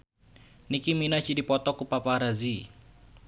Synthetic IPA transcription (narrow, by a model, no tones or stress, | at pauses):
nikiminat͡ʃidipɔt̪ɔkupapaɾazi